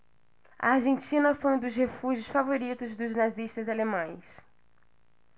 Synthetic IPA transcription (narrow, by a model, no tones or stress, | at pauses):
ɐ̰aɾʒẽnt͡ʃĩnɐfojũd̪ʊzhefuʒjʊsfavoɾit̪ʊzd̪ʊznaziʃt̪ɐzalemɐ̃j̃s